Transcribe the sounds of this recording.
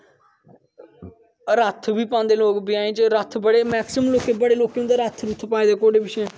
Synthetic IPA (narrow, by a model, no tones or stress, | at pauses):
ɾət̪ʰbiːpãːnd̪eːloːkbɪjãːẽːt͡ʃɾət̪ʰbəɽeːmɛːksɪmmloːkeːbəɽeːloːkeʊ̃nd̪aːɾət̪ʰɾʊt̪ʰpaːeːd̪eːkoːɽeːbɪʃɛ̃ː